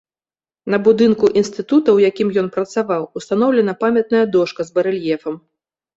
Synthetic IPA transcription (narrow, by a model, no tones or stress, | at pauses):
nɐbud̪ɨnkuʔinst̪ɨt̪ut̪ɐwjakʲimjɔnpɾɐt̪savawust̪anɔwlʲɛnɐpamʲɐt̪̚nɐjɐd̪ɔʂkɐzbɐɾɛlʲjɛfɐm